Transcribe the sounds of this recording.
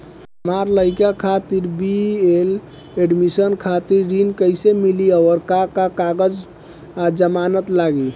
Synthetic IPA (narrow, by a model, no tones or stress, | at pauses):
ɦəmaɾləɪkakʰat̪iɾbiel | eɖmisənkʰat̪iɾːinkəɪsemiliəʋəɾkakakaɡəd͡ʒ | ad͡ʒəmanət̪laɡi